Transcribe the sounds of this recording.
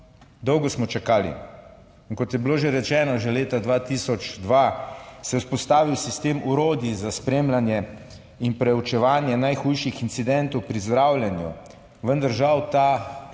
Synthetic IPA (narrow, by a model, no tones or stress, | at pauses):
d̪ɔwɡɔsmɔt͡ʃakaːlḭ | ŋkɔt̪jɛbiloːʒeɾɛt͡ʃɛːnɔʒeleːt̪ad̪ʋat̪iːsɔt͡ʃd̪ʋasɛuspɔst̪aːʋiwsist̪eːmuɾoːd̪jizaspɾeːmlanjɛ | inpɾɛut͡ʃɛʋaːnjɛnajxuːjʃixint̪sid̪ɛnt̪ɔwpɾizd̪ɾaːwlʲjɛnjṵ | ʋənd̪aɾʒawt̪a